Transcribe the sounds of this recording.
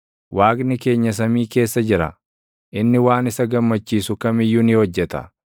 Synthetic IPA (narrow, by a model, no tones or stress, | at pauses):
wʔaːɡnɪke̞ːɲːɐs̬ɐmiːke̞ːsːɐd͡ʒɪɾɐ̰ | ʔɪnːɪwaːnɪsɐɡɐmːɐt͡ʃːiːsʊkɐmɪjːʊnɪhɔd͡ʒːɛt̪ɐ̰